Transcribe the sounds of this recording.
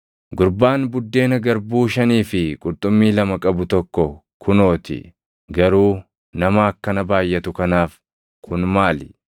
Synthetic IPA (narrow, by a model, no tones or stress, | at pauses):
ɡʊɾbaːnbʊd̪ːe̞ːnɐɡɐɾbuːʃɐniːfɪkʼʊɾt̪ʼʊmːiːlɐmɐkʼɐbʊt̪ɔkːɔ | kʰʊno̞ːt̪ɪ̰ | ɡɐɾuː | nɐmɐɐkːɐnɐbaːjːɐt̪ʊkɐnaːf | kʰʊnmaːlɪ̥